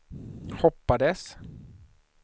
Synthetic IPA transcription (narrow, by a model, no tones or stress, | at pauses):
hɔpːad̪əs